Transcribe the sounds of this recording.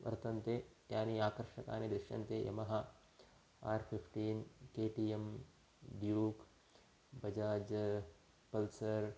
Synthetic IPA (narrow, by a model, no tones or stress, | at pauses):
ʋʔɐ̰ɾt̪ɐnt̪eːt̪jaːniaːkɐɾʂɐka̰ːnid̪ɾɪɾʂjɐ̰nt̪eːjʔɐ̰mɐɦɐ | aːɾpʰipʰʈiːnkeːʈiːem | ɖjuːk | bɐd͡ʒaːd͡ʒɐ | pɐlsɐɾ